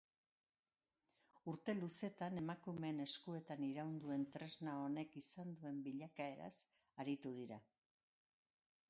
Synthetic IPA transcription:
uɾt̪e̞luse̞t̪ane̞makume̞ne̞skue̞t̪aniɾawnd̪ue̞nt̪ɾe̞znao̞ne̞kisand̪ue̞mbiʎakae̞ɾa̰s | aɾit̪uð̞iɾa

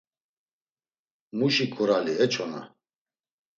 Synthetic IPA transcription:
muʃikʰuɾaliɛt͡ʃʰɔna̰

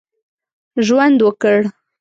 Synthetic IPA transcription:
ʒwand̪wəkəɽ

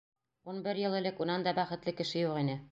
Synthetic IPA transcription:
unbɘɾjɤ̆lˠɘ̆lɘkunɑnd̪ɒbæχɘ̆t̪lɘkɘ̆ʃɘjuqinɘ

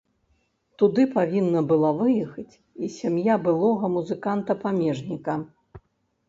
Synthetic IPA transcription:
t̪ud̪ɨpavʲinːɐbɨlˠavɨjɛxɐt͡sʲ | isʲamjabɨlˠɔɣɐmuzɨkant̪ɐpamʲɛʐnʲikɐ

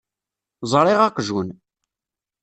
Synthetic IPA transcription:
zˤɾˤɪʁaqʒun

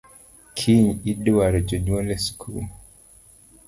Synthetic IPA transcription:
kʰiɲidwaɾɛd͡ʒɔɲwɔlɛskʰul

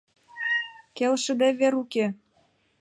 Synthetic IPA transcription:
kelʃə̆d̪eβeɾuke

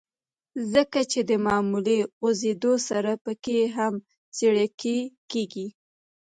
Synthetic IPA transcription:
zəkat͡ʃed̪əmɑmuleozed̪osaɾapəkeɦam | t͡seɽakekeɡi

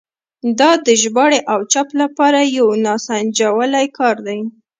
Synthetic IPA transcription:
d̪ɑd̪əʒbɑɽeʔawt͡ʃaplapɑɾajawnɑsand͡ʒawəlajkʰɑɾd̪aj

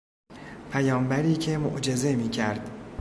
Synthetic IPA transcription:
pʰæjɒːmbæɾiːcʰe̞mo̰ʔd͡ʒe̞ze̞miːcʰæɾd̪̥

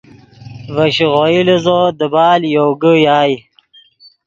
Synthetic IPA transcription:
vɐɕiʁoilizod̪əbaːljoɡəjaːj

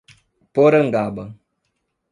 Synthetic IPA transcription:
poɾəŋ̩ɡabə

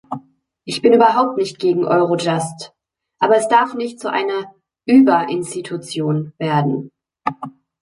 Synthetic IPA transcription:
ʔɪçb̥ɪnʔyːbɐɦaʊp̚tnɪçt̚ɡ̥eːɡŋ̩ʔɔʏʁod͡ʒast | ʔaːbɐɛsd̥aɐfnɪçt̚t͡suʔa̰ɪnɐ | ʔyːbɐʔɪnstitʰut͡sjoːnveːɐdn̩

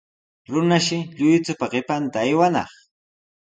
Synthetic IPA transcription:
ɾʊnaʃɪʎʊjt͡sʊpaɢɪpant̪aːjwanɑ̰χ

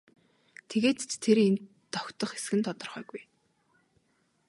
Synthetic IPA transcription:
t̪ʰeɣeːt̪t͡ɕt̪ʰːeɾen | t̪ːɔkt̪ɞ̆χe̥sɡɘ̆nt̪ʰɔt̪ɞ̆rχœ̰ːɣuj

